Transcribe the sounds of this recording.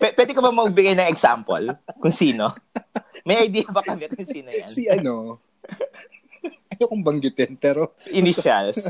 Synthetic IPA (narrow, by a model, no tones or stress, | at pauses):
pɛpwɛːd̪ɪkɐbɐmɐɡ̚bɪɡajnɐŋɛɡsa̰mpo̰lkʊŋsiːno | mɐjʔɐjd̪iːjɐbɐkɐmɛkʊŋsiːnoja̰nnsiɐno | ɐjokʊŋbɐŋɡɪt̪ɪnpɛːɾoʔɪniʃals